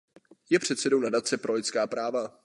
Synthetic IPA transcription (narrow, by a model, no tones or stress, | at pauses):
jɛpr̝̥ɛt̪sɛdownadat͡sɛpɾʔo̞lɪt̪t͡skaːpɾaːva